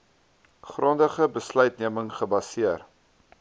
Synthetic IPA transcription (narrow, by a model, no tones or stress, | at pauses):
χrondəχəbəslœɥtniəməŋχəbɐsiər